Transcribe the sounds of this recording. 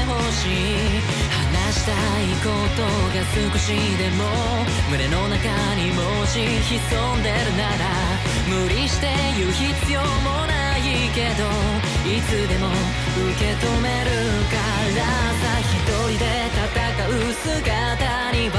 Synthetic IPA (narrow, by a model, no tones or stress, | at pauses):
ho̞ɕi | hanaɕi̥t̪a | iko̞t̪o̞ | ɡasɨkɯ̟ɕi | d̪e̞mo̞ | mɯ̟ɾe̞no̞naka | ɲ̟imo | ɕiçiso̞nd̪e̞ɾɯ̟naɾa | mɯ̟ɾʲiɕi̥t̪e̞ | jɯ̟çit͡sɨjo̞mo̞na | i | ke̞d̪o̞ | it͡sɨd̪e̞mo̞ | ɯke̞t̪o̞me̞ɾɯ̟ka | ɾasaçit̪o̞ɾʲid̪e̞t̪at̪akaɯ̟sɨɡa | t̪a | ɲ̟ib